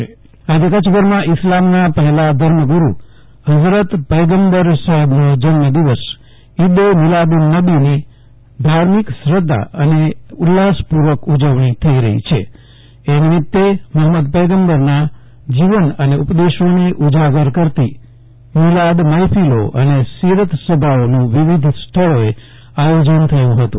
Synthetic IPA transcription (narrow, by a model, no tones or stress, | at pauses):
ad͡ʒekət͡ʃɡəɾmãʔɪslamnapəɦɛlad̪ʱəɾməɡuɾṵ | ɦəd͡ʒɾət̪pəjɡəmbəɾsəɦəbnod͡ʒənməd̪iʋəs | id̪emɪlad̪nəbini | d̪ʱaɾmiksɾəd̪ʱːa̰əneulːaspuɾʋəkud͡ʒəʋɳ̃it̪ʰəiɾəɦḭt͡ʃʰḛː | nimɪt̪ːeməɦməd̪pəjɡəmbəɾna | d͡ʒiʋənəneupd̪eʃoneʔud͡ʒaɡəɾkəɾt̪i | milad̪məjpʰilo̰ʔə̰nesiɾət̪səbʱaonũʋiʋid̪ʱsʈ̪ʰəɭoe | ajod͡ʒənt̪ʰəjũɦət̪ṵ̃